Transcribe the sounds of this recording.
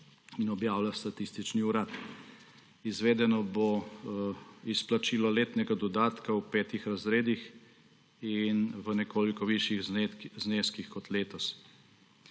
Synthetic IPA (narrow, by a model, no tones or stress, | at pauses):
inɔbjaːwlast̪at̪ist̪it͡ʃniuɾaːt̪ | izʋeːd̪ɛnɔbo | isplat͡ʃiːlɔleːt̪nɛɡad̪ɔd̪aːt̪kawpɛːt̪ixɾazɾeːd̪ix | inʋənɛkoːlikɔʋiʃjiɣzneːskixkɔt̪leːt̪ɔs